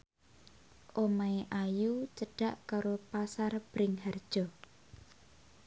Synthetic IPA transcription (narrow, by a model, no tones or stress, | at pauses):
ʔomaeʔajut͡ʃəɖ̥a̤ʔkaɾopasarb̥ɾɪŋhard̥ʒ̥ɔ